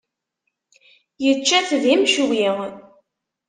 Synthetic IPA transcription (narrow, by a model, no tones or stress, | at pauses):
jət͡ʃːæθðimʃwiʁ